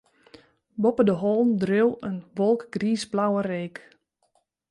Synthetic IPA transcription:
bɔpədəɦɔːndrøwənʋɔlˠkɡ̥riːsblawəreːk

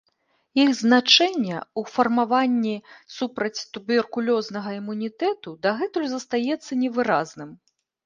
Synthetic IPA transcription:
iɣznat͡ʂɛnʲːɛufɐrmavanʲːisupɾɐt͡sʲt̪ubʲɛrkulʲɔznɐɣɐimunʲit̪ɛt̪ud̪ɐɣɛt̪ujuzɐst̪ajɛt̪sːɐnʲɛvɨɾaznɨm

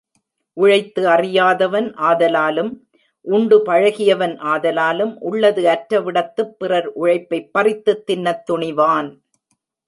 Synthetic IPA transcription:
ʔʊɻɐɪt̪ːɯɐrɪjaːðɐʋɐnʔaːðɐlaːlɯm | ʔʊɳɖɯpɐɻɐɣɪjɐʋɐnʔaːðɐlaːlɯmʔʊɭːɐðɯɐʈɾɐʋɪɽɐt̪ːɯpːɪrɐɾʔʊɻɐɪpːɐɪpːɐrɪt̪ːɯt̪ːɪnːɐt̪ːʊɳɪʋaːn

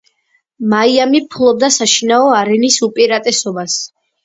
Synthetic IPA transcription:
maiamipʰulˠɔb̚d̪asaʃinaɔaɾɛnisupʼiɾat̪ʼɛsɔbas

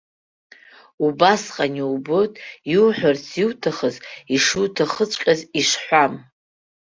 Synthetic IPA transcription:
ubasqʼaniubotʼiwuħʷᶣart͡sʰiwtʰaχəziʂutʰaχət͡ʃʷʼqʲʼaziʂħʷam

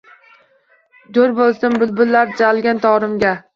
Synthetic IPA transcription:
d̪oɾbolˠsɪnbʊlbʊlːaɾd͡ʒalɡʲant̪ʰɒɾɪmɡʲa

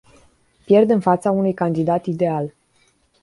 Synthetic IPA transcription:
pje̞rd̪ɨnfat̪saunujkand̪id̪at̪id̪e̞al

